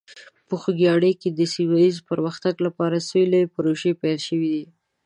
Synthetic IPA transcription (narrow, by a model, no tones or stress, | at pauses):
pəxuɡjɑɽeked̪əsiwajizpəɾməxt̪aɡlapɑɾasojlepəɾoʒepajlʃəwid̪i